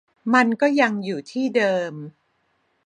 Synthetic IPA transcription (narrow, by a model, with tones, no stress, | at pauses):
ma˧nkɔː˥˩ja˧ŋjuː˨˩t̪ʰiː˥˩dɤː˧m